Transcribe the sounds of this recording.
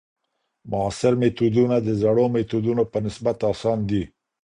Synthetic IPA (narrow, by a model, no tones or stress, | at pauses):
mʊasɪɾmet̪ud̪unad̪əzaɽomet̪ud̪unopənɪsbat̪ɑsɑnd̪i